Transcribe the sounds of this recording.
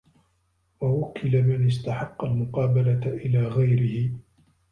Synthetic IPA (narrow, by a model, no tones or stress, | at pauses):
wawakʰːɪlamɪnɪst̪aħɑqːɑlmʊqɑːbalaʔɪlaːɣajɾɪhɪ